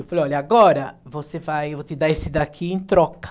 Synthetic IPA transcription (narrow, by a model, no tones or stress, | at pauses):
wfaleɔliaɡɔɾɐvosevajvot̪ɪd̪aesid̪akʰiĩnt̪ɾɔk